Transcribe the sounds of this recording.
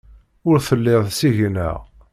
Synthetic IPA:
ʊɾθəlːɪðˤsiʝinə̰ʁ

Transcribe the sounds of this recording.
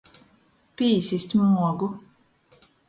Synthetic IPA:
piːsʲisʲt̪ʲmuɔɡu

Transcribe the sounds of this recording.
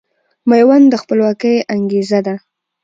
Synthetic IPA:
majwand̪əxpəlwɑkəjaŋɡezad̪a

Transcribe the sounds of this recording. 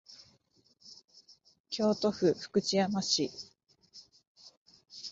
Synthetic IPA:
kʲo̞ːt̪o̞ɸɯ̟ɸɯ̟̥kɯ̟t͡ɕiamaɕi

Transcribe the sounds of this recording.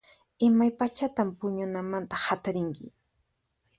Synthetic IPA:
ɪmajpat͡ʃat̪ampʊɲʊnamant̪ḁhat̪aɾɪŋkɪ̰

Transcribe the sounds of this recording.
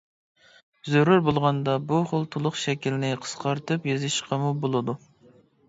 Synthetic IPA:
zøɾuɾbolˠʁɑnd̪ɑbuχəlˠt̪ʰolˠʊχʃɛkʲilɪnɪqʰə̥sqʰɑɾt̪ɨpjezɨʃqʰɑmubolˠɨd̪u

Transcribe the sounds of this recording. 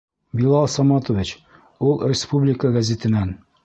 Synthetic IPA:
bilˠɑlˠsɑmɑt̪ŏvit͡ɕ | ulˠrʲɪspublʲɪkəɡɐzʲet̪ɘ̆næn

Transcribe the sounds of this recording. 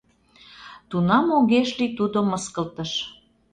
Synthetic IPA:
t̪unɑmoɣeʃlit̪ud̪oməskə̆lt̪əʃ

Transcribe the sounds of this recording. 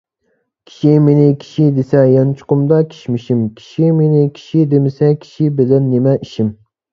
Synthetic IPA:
kʲʰi̥ʃimenɪkʲʰi̥ʃid̪esɛjɑnt͡ʃʰʊ̥qʊmd̪ɑkʲʰi̥ʃmiʃimkʲʰi̥ʃimenɪkʲʰi̥ʃid̪emɪsɛkʲʰi̥ʃibɪlɛnːemɛiʃim

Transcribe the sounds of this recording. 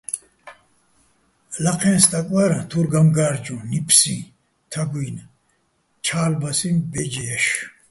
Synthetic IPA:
laqʰɛ̃nst̪ʼakʼwaɾãt̪ʰuɾɡamɡaːɾd͡ʒũnipʰsḭ̃ | t̪ʰaɡujn | t͡ʃʰaːlbasĩnbɛd͡ʒɛjaʃ

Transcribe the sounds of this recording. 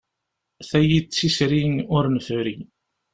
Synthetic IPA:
θæjit͡sːisɾinʊɾnfʊɾḭ

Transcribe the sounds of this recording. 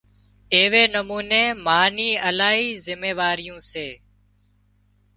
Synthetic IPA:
eːʋeːnəmuːneːmaːniːəlaːɦiːzɪmeːʋaːɾɪjũːseː

